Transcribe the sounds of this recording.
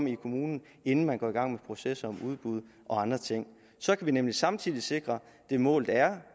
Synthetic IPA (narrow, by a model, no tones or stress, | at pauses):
m̰ikʰo̝muːnn̩ | e̝nn̩mænɡ̥ɒ̰ːiɡ̥ɑ̈ŋ̰mepʰʁo̝sesɐɒ̽muð̞ˠb̥uð̞ˠ | ʔɒ̽ɑ̈nd̥ʁɐt͡sʰeŋ̰ | sɒ̽kʰæʋinemlisɑ̈mt͡sʰiðˠise̝ɡ̥ʁɐ | d̥e̝mɔ̰̽ːlð̩ˠæɐ